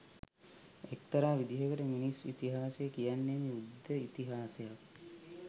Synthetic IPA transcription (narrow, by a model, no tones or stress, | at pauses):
ek̚t̪ɐɾaːʋid̪ʱiɦəkəʈəminisit̪iɦaːsejəkijanːemiud̪ʱːəit̪iɦaːsejak̚